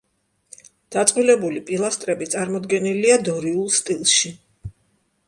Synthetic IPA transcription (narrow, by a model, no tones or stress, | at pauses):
d̪̥at̪sʼqʼwilɛbulipʼilˠast̪ʼɾɛbit̪sʼaɾmɔd̪ɡɛniliad̪ɔɾiulˠst̪ʼilˠʃi